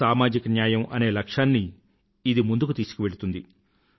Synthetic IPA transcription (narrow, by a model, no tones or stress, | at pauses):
aːmaːd͡ʒikɐnjaːjɐmʔɐne̞ːlɐkʂaːnːiː | d̪imund̪uk̬ut̪iːsu̥kiʋe̞ɭut̪und̪i